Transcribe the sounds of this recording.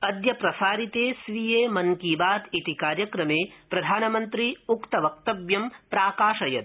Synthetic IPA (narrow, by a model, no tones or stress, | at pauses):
ɐd̪jɐpɾɐsaːɾit̪eːsʋijeːmɐŋkiːbaːt̪it̪ikaːɾjɐkɾɐmeːpɾɐd̪ʱaːnɐmɐnt̪ɾiukt̪ɐʋɐk̚t̪ɐbjɐmpɾaːkaːʂɐjɐt̪